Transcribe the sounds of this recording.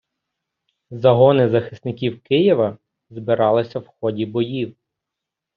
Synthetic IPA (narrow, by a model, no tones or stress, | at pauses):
zɐɦɔnɪzɐxɪ̥snɪkʲiwkɪjiʋɐ | zbɪɾɑlˠɪsʲɐwxɔdʲibɔjiw